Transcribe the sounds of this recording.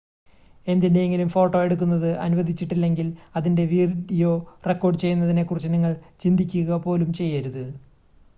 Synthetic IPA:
e̞nd̪ineeŋɡilumfo̞ːʈːo̞ːe̞ɽuk̬ːunːɐðɨʔɐ̰nuʋɐd̪ʱit͡ɕːiʈːilːe̞ŋɡilɐðinde̞ʋiːrɖijo̞re̞kːo̞ːɖɨt͡ɕe̞junːɐðine̞kːurit͡ɕːɨniŋːɐɭt͡ɕind̪ʱikʲːuɣɐpo̞ːlumt͡ɕe̞jːaɾuðɨ

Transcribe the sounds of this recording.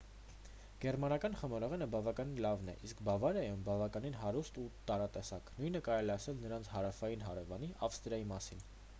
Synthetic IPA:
ɡ̥ɛɾmɑnɑkɑnχəmɔɾɔʁɛnəbɑvɑkɑninlɑvnɛ̰ʔiskbɑvɑɾɛjumbɑvɑkɑninɦɑɾust̪ut̪ɑɾɑt̪ɛsɑknujnəkɑɾɛlɛɑsɛlnəɾɑnt͡sʰhɑɾɑfɑjinɦɑɾɛvɑniʔɑfst̪ɾjɑjimɑsin

